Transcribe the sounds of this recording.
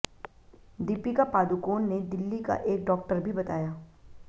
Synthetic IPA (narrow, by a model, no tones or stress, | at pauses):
d̪iːpikapaːd̪ukoːnːed̪ɪlːika̰ʔeːk̚ɖɔːk̚ʈəɾbʱibɐt̪aːjaː